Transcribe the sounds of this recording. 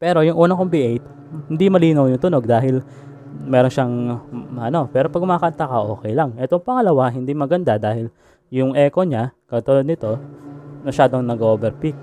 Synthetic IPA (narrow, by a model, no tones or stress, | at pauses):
pɛːɾo̞jʊŋʔuːnɐŋkombiʔejt̪̚ | hɪnd̪imɐliːnɐwjʊŋt̪ʊno̞ɡ̚d̪aːɦɪl | mɛːɾonʃaŋɐno̞pɛːɾo̞pɐɡ̚mɐakɐnt̪akɐʔo̞ːkɛjlaŋʔɛt̪o̞ŋpɐŋɐlɐwaɦɪnd̪imɐɡɐnd̪ad̪aːhɪl | jʊŋʔɛːko̞ɲakɐt̪ʊlod̪nɪt̪o̞mɐʃaːd̪o̞ŋnɐɡʔoːbɛɾpik̚